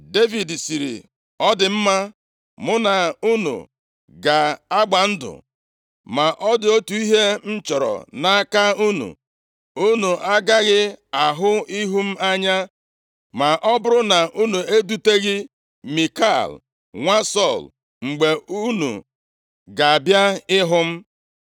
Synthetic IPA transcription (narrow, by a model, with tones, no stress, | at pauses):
de˦vi˨dsi˨ɾḭ˨ | ɔ˦dɪ˨m̩˦ma˦ | mʊ˦na˨u˦nṵ˨ | ɡa˨a˦ɡ͡ba˨n̩˦dʊ̰˨ | ma˨ʔɔ˦dɪ˨o˦tu˨˦i˦ɦe˦n̩˦t͡ʃɔ˨ɾɔ̰˨na˦ka˦u˦nṵ˨ | u˦nu˨ʔa˦ɡa˦ɣɪ˦a˨ɦʊ˦i˦ɦu˦m̩˦a˦ɲa˦ | ma˨ʔɔ˦bʊ˦ɾʊ˦na˨ʔu˦nu˨e˦du˦te˦ɣɪ˦ | mi˨ka˦˨l | ŋʷa˦sɔ˦˨l | ŋ͡m̩˨ɡ͡be˨u˦nṵ˨ | ɡa˨a˨bja˦ɪ˦ɦʊ˦m̩˦